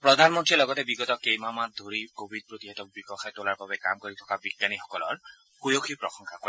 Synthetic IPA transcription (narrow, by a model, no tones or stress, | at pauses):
pɹɔd̪ʱanmɔntɹilɔɡɔtɛbiɡɔtɔkejmamat̚d̪ʱoɹikobʱid̚pɹot̪iɦɛtɔk̚bikɔxʰajtolaɹbabɛka̰mkoɹitʰɔ̥kabiɡanixɔkɔlɔ̰ɹ | kujoxʰipɹɔxɔŋkʰakoɹ